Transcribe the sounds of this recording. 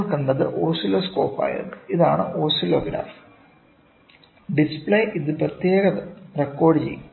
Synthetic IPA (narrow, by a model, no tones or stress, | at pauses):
kːɐɳɖɐðɨ̰ʔoːsiloːsko̞ːpːa̰ːjɐ̰ðɨiðaːɳɨ̰ʔo̞ːsiloːɡɾa̰ːf | ɖispɭejʔiðɨprɐt̪jeːɣɐrekːo̞ːɖɨt͡ɕej̰